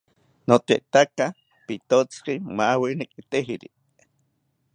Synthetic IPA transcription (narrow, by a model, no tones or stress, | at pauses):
not̪ḛʔt̪aka | pit̪ot͡skimawinikit̪eɦiɾi